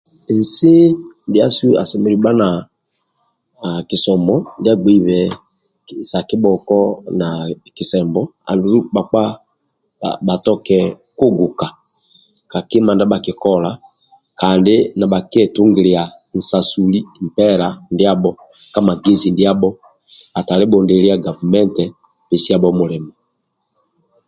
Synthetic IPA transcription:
n̩˨sɪ˦ndi˦a˦su˦a̰˨sɛ˨mɛ˨li˨ɓa˦na˨ | ki˨sɔ˨mɔ˨˦ndi˦a˦ɡ͡be˨˦i˦˨βɛ˨ | sa˨ki˦ɓɔ˨kɔ˦na˨ki˨sɛ˨mbɔ˦a̰˨ndu˨ɾu˦ɓa˨k͡pa̰˦˨ | ɓa˨tɔ˦kɛ˦˨ | ko˦ɡu˨ka˨ | ka˨ki˦ma˨nda˦ba˨ki˨kɔ˦la˨ | ka˨ndɪ˦na˨ɓa˨kɛ˨tu˦ŋɡi˨li˨a˨ | n̩˨sa˨su˨li˦m̩˨pɛ˦ɾa˨ndi˦a˦ɓɔ˦ | ka˦ma˨ɡe˦zi˨ndi˦a˦bɔ˦ | a˨ta˨lɛ˦bɔ˨ndɛ˨li˦a˦˨ɡa˨vu˨mɛ˦ntɛ˨ | pɛ˨si˦a˦˨ɓɔ˦mu˨li˨ma˨

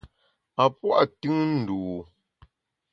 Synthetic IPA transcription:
a˨pwa˦ʔtʉ˦ŋn̩˨duː˨

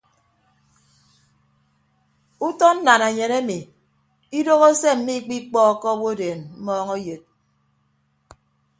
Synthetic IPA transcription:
u˦tɔ˦n̩˦na˨na˨ɲe˨ne˦mi˨ | i˦do˦ɣo˦se˦m̩˨˦mi˦k͡pi˦k͡pɔː˦˨kɔ˦wo˦deː˨nm̩˦mɔː˦ŋo˦je˨t̚

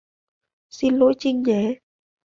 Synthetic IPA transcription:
si˧nlo̰˧˥jt͡ɕi˧ŋɲɛ˨˩˦

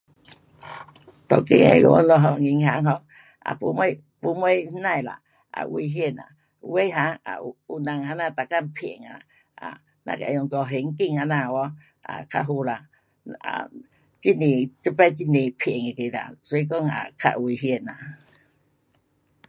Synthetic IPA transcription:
t̪ɔ˨ki˦ŋḛ˨jɔ̰˨ʔɔ̰˦lɔ˧ɦɔ˧˨ŋi˨ŋha˨˦ŋɦɔ˧ŋ | a̰˨pu˨˦m˦ | pu˨˦me˦hna˦i˨la̰˨ | a̰˨w̰i˨ɦi˦e˧˨na̰˨ | we˦ɦa˧a̰˨u˨na˨ŋha˧na˧t̪a˨ka˦mpʰi˨e˨ŋa˨ | a̰˨ | na̰˧˨ka˨jɔ˨ŋkɔ˧ɦe˨ŋ˦ki˦ŋa˨na˨wɔ˦ | a̰˨kʰa̰˦ɦu˧la˨ | a̰ | t͡ʃi˦ni˨t͡ʃə˦pɛ˦t͡ʃi˦ni˨pʰi˨e˨ŋe˨ke˨ɾa̰˨su˧i˦kɔ˦ŋa̰˨kʰa̰˦ʔwi˨ɦi˦e˨na˨

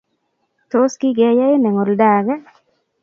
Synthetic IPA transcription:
t̪o˦ski˦ɡɛ˨ja˦ɪ˦nɛ˨ŋo˨lda˨ɡa˦

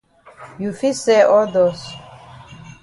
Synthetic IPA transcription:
ju˨fi˦se˦ʔɔ˦d̪ɔs

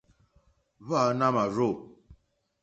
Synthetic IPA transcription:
βa˦˨˦na˦ma˨ɾo˦˨

